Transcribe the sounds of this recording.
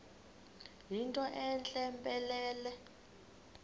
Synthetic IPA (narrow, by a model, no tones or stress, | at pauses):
ɦintʼɔʔɛnt͡ɬʼɛmpʼɛlɛːlɛ